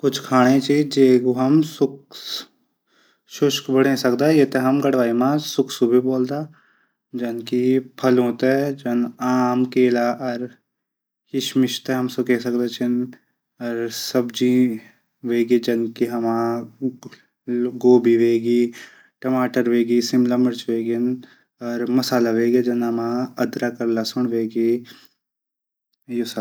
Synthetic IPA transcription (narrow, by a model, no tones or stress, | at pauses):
kʊt͡ʃʰkʰaːɽ̃et͡ʃid͡ʒeɡoɦɐmsʊk | ʃʊʃkbəɽẽsɐkd̪ajet̪eɦɐmɡɐɽʋaːimãsʊkʰsubʱiboːld̪aː | d͡ʒɐnkipʰɐlɦoːt̪ɦɛd͡ʒɐnaːmkeːlaʔɐɾ | kɪʃmɪʃt̪ɛɦɐmsʊkesɐkd̪et͡ʃʰin | ɔɾsəbd͡ʒi | ʋeːɡid͡ʒɐnkiɦɐmãː | ɡoːbiʋeːɡiː | ʈɐmaːʈəɾʋeːɡisɪmlamɐɾt͡ʃʋeːɡin | ɔːɾmɐsaːlaʋeːɡed͡ʒɐnɐmãːɐd̪ɾakɐɾlasʊɳ̃ʋeːɡi | jusa